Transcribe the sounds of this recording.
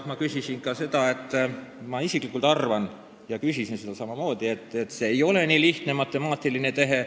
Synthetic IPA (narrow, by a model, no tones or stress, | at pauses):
mɑkysisinkɑse̞d̪̥ɑe̞t̪ˑːmɑisiklikːˑult̪ɑrvɑn | jɑkysisinse̞d̪̥ɑsɑmɑmo̞ːd̪ie̞t̪ːˑet̪ːse̞ːejo̞le̞niːliht̪nemɑt̪ːˑe̞mɑːt̪ːˑiline̞t̪e̞ɦe̞